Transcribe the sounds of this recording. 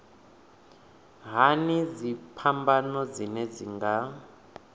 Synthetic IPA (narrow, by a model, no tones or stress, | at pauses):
ɦanid͡zipʰambanɔd͡zinɛd͡ziŋɡa